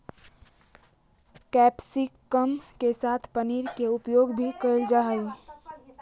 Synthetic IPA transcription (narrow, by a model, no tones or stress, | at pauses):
kɛpsikːəmkesat̪ʰpəniɾkeupjoɡbʱikəld͡ʒaɦəl